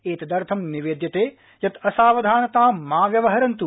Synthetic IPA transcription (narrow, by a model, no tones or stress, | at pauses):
eːt̪ɐd̪ɐɾt̪ʰɐmniʋeːd̪jɐt̪eː | jɐt̪ɐsaːʋɐd̪ʱaːnɐt̪aːmaːʋjɐʋɐɦɐɾɐnt̪u